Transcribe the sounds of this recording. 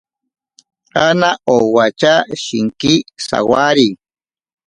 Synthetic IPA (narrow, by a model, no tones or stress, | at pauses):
anaʔowat͡ʃaʃiŋkisa̰waɾi